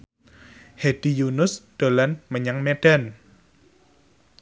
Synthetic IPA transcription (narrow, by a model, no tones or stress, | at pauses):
hed̥ijunʊsd̪̥o̤lanməɲaŋmeɖ̥a̤n